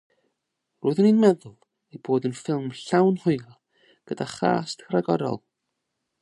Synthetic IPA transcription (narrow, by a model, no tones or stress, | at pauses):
rʊːɨðninmɛðʊlˠ | ejboːdənfɪlˠmɬawnhʊjl | ɡ̥ədaχa̰ːstkʰraɡɔɾɔ̰lˠ